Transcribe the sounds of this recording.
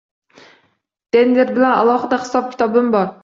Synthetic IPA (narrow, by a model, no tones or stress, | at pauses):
d̪̥enleɾbɪlɛnɑ̰lˠɑχɨd̪ɑχɨ̥sɑp̚kʲi̥t̪ɑbɨmbɑɾ